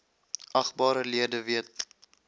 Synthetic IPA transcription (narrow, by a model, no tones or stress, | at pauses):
ɐχbɑːɾəliədəviət̚